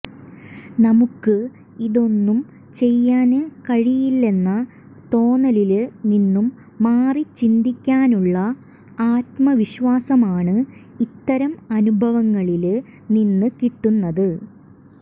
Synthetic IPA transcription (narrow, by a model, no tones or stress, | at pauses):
nɐmukːɨ | iðo̞nːum | t͡ɕe̞jːaːnɨkɐɻijilːe̞nːɐ | t̪o̞ːnɐlilninːumː | aːrit͡ɕind̪ikʲːaːnuɭːɐ | aːt̪mɐʋiɕʋaːsɐmaːɳɨ | it̪ːɐɾɐmɐnubʱɐʋɐŋːɐɭil | ninːɨkiʈːunːɐðɨ